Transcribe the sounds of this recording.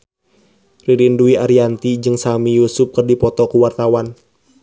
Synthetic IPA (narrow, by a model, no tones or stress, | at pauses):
riɾinduiaɾiant̪id͡ʒɨŋsamijusʊp̚kərdipɔt̪ɔkuwart̪awan